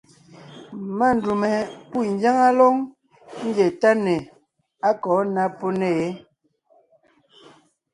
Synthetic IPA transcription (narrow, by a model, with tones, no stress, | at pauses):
ma˦˨n˨du˨mɛ˨pu˦˨n˦d͡ʒa˦ŋa˦lɔ˦ŋ | ŋ̩˦ɡɛ˨ta˦nɛ˨ | a˦kɔː˨˦na˦po˦ne˨e˨˦